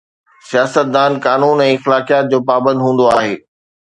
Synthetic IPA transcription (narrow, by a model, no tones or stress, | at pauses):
sijaːsət̪̚d̪aːnkaːnuːnɛ̃ːɪxlaːkijaːt̪̚d͡ʑoːpaːbə̃nd̪ɦũːn̆d̪oaːɦeː